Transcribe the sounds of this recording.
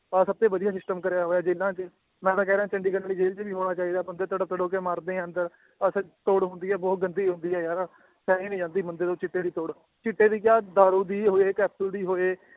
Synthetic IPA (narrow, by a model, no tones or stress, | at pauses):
əsəb̚t̪ẽːʋəd̪ijaːsɪsʈəmkəɾjaːɦoːjaːd͡ʒeːlãːt͡ʃə | mɛ̃ːt̪ãːkɛːɾãːt͡ʃəɳɖiːkənaːiːd͡ʒeːlt͡ʃʋiːɦoːnaːt͡ʃaːiːd̪aːbənd̪ət̪əɽət̪əɽoːkeːmaːɾd̪ẽːə̃nd̪əɾ | əst̪oːɽɦʊ̃nd̪iːɛːbɔːt̪̚ɡənd̪iːɦʊ̃nd̪iːɛːjaːɾ | sɛːiːnĩːd͡ʒãːnd̪iːmənd̪eːt̪õːt͡ʃɪʈːeːd̪iːt̪oːɽ | t͡ʃɪʈːeːd̪iːkjaːd̪aːɾuːd̪iːɦoːeːkɛːpsəld̪iːɦoːeː